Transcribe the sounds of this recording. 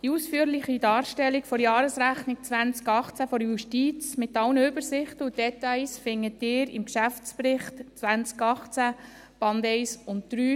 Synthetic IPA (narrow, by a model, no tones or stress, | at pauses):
d̥iuːsfyːəɾlɪχidɑːɾʃtɛlːikfɔɾjɑːɾəsɾæχnɪk̚t͡sʋænt͡skɑχt͡sæfɔɾjuʃtiːt͡smɪtɑlnəʏbəɾsɪχtəudɛtɑɪsfɪŋːətɪːɾɪ̰mkʃæft͡spɾɪχtt͡sʋænt͡skɑχt͡sæ | b̥ɑndɛɪsʊntd̪̥ɾyː